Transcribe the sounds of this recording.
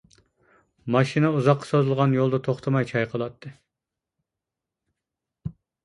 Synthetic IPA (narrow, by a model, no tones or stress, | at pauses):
mɑʃinɛuzɑqːɑ̥sozɨlˠʁɑnjolˠd̪ɨt̪ʰoχt̪ʰɑmɑjt͡ʃʰɑjqʰəlˠɑt̪ʰːɨ